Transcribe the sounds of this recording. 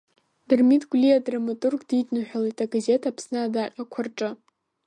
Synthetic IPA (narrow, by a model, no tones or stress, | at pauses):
d̥ɨrmitɡʷliadramatʼurɡditʰʼnɨħʷᶣalijtʰʼaɡaze̞tʰapʰsnɨadaqʲʼakʷʰarʈ͡ʂʼɨ